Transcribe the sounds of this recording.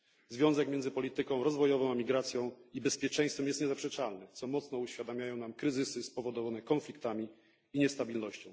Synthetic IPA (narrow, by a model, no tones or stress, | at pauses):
zvʲjɔ̃w̃zɛkmʲjɛnd̪zɘpɔlʲit̪ɘkɔ̃w̃ɾɔzvɔjɔvɔ̃w̃amʲiɡɾat̪sʲjɔ̃w̃ibɛspʲjɛt͡ʂɛ̃j̃st̪fɛmjɛst̪ɲɛzapʂɛt͡ʂalnɛt̪sɔmɔt̪snɔuɕfʲjad̪amʲjajɔ̃w̃namkɾɘzɘsɘspɔvɔd̪ɔvanɛkɔ̃nflʲikt̪amʲiː | ɲɛst̪abʲilnɔɕt͡ɕɔ̃w̃